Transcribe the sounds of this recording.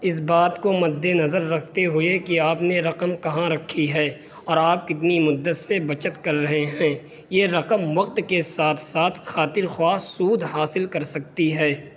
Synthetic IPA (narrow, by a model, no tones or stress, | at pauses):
ɪsbaːt̪komɐd̪ːenɐzəɾːɐk̚ʰt̪eɦʊekiaːpneɾɐqəmkɐɦãɾɐkʰːiɦɛː | ɔːɾaːp̚kɪt̪nimʊd̪ːət̪sebɐt͡ʃət̪kɐɾːɐɦeɦɛ̃ː | jeɾɐqəmʋɐq̚t̪kesaːt̪ʰsaːt̪ʰxaːt̪ɪɾxwaːsuːd̪ʱɦaːsɪlkɐɾsɐk̚t̪iɦɛː